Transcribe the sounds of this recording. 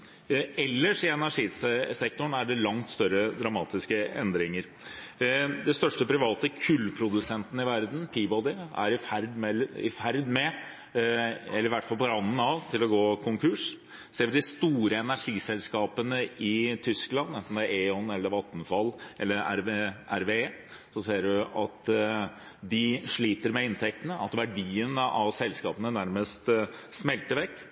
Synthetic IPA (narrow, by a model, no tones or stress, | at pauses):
ɛlːəʂɪɛnæʂiːssɛkt̪ʊɳæɖɛlɑŋt̪st̪œɾːəd̪ɾɑmɑːt̪ɪskəɛ̰nd̪ɾɪŋəɾ | d̪ɛst̪œʂʈəpɾɪʋɑːt̪əkʰʉlːpʰɾʊd̪ʉsɛnt̪ənəɪʋæɾd̪n̩pʰiːbɔd̪ɪæ̰ɾɪfæɾd̪mɛəɪ̰fæɾd̪mɛ | ɛlːəɾʋæʈːfɑlˠpɔɾɑnːn̩ɑʋt̪ʰɪlɔɡoːkʰʊŋkʰʉʂ | seːɾʋɪd̪ɪst̪uːɾəɛnæʂiːsɛlskɑːpənəɪt̪ʰʏsklɑnːɛnt̪nd̪ɛæeːɔnːɛlːəɾʋɑt̪ːnfɑlːʔɛlːəɾæ̰ɾeʔæɾʋeː | sɔseːɖʉʔɑt̪ | d̪ɪʂɭiːt̪əɾmɛɪnt̪ʰɛk̚t̪ənəʔɑt̪ʋæɖiːənəʔɑʋsɛlskɑːpənənæɾməst̪smɛlt̪əɾʋɛkː